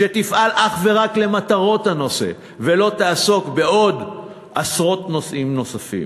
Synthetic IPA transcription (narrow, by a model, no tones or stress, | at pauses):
ʃet̪ifʔalʔaχve̞ʁakle̞mat̪aʁo̞thano̞se̞̰ | ve̞lo̞t̪aːso̞kbe̞o̞d̪ | ʔasʁo̞t̪no̞sʔimno̞safḭm